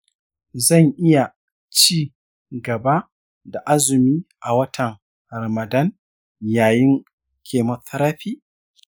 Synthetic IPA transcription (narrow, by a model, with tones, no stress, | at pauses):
zɐ˦˨ŋʔɪ˦ja˨ | t͡ʃiː˦˨ | ɡɐ˨ba˦ | da˨ʔa˦zʊ˨miː˦ʔa˨wɐ˦tʰɐ˨ŋ | ɾɐ˨mɐ˨dɐ˦n | jaː˨jɪ˦ŋ | kʲʰeː˨mɐ˨tɐ˦ɾaː˦ɸiː˦